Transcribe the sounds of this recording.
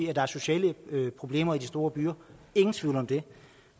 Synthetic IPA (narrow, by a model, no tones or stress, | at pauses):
iːæd̥ɑ̈æɐso̝ɕɛ̰ːləpʰʁo̝b̥le̝̰ːmɐidisd̥o̝ːɐb̥yːɐe̝ŋn̩t͡sʰʋiʊ̰ləɒ̽md̥e̝